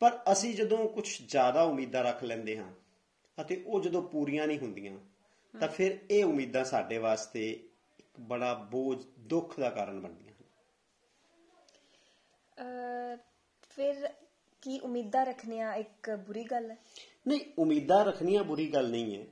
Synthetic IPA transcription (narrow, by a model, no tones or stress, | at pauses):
pəɾəsĩːd͡ʒəd̪õːkʊt͡ʃʰd͡ʒjaːd̪aːʊmiːd̪ãːɾəkʰlɛ̃ːnd̪eːɦãː | ət̪eːʔoːd͡ʒəd̪õːpuːɾijãːnĩːɦʊnd̪ijãː | t̪ãːpʰɪɾeːʊmiːd̪ãːsaːɖeːʋaːst̪eː | ɪkbəɽaːboːd͡ʒd̪ʊkʰd̪aːkaːɾəɳbəɳd̪ɪjãːɦən | pʰɪɾ | kiːʔʊmiːd̪ãːɾəkʰnijãːɪkbʊɾiːɡəl | nəĩːʊmiːd̪ãːɾəkʰnijãːbʊɾiːɡəlnəĩːɛː